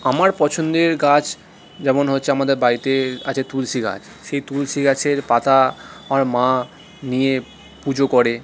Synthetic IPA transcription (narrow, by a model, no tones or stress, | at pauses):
amaɾpɔt͡ɕʰond̪eɾɡat͡ɕʰ | d͡ʑɛmonɦotːɕʰeamad̪eɾbait̪eat͡ɕʰet̪ulʃiɡa̰t͡ɕʰ | ʃejt̪ulʃiɡat͡ɕʰeɾpat̪aaɾmã | nije | pud͡ʑokoɾe